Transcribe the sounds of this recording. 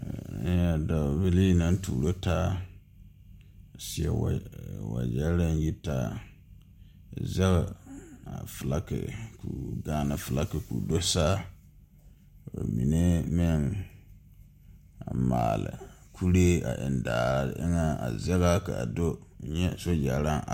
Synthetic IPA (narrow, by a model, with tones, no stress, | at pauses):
a˨da˨bɪ˦li˦na˦n˦tuː˨ɾo˦taː˦ | a˨sɪ˦ɛ̰˨wwa̰˨d͡ʒɛ˦lɾa˦nji˦taː˦˨ | zɛ˦ɣa˨a˨fʊ˨la˦kɪ̰˨ku˨ɡaː˦na˨fʊ˨la˦kɪ˨kṵ˨do˦saː˦˨ | a̰˨mi˨ne˦mɪ˦ŋ | a˨ma̰ː˨lɪ̰˨ | kʰu˦ɾe˦a̰˨ʔɪ̰˨ndaː˨ɾ̰ʔɪ˦ŋa˦a˨zɛ˦ɣa˦ka˨a˨do˦˨ɲɛ˦so˦d͡ʒɛ˨˦ɾa˦ŋa˨